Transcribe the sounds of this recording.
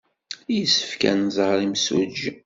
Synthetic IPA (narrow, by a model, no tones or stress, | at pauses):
jəsːə̥fkæ̰nzˤəʁɾˤimsṵd͡ʒ